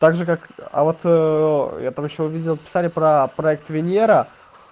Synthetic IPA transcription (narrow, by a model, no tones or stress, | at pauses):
t̪aɡʐɨkaka̰vo̞t̪ | jat̪amjɪɕːoʊvʲidʲɪlˠpʲɪ̥salʲɪpɾəpɾɐɛk̚t̪vʲɪnʲeɾə